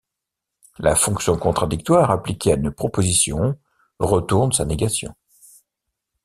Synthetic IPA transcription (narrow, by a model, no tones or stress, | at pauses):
la̰fɔ̃ksjɔ̃kɔ̃t̪χad̪ik̚t̪waʁaplikʲeaynpχɔpozisjɔ̃ | ʁət̪uʁnsaneɡasjɔ̰̃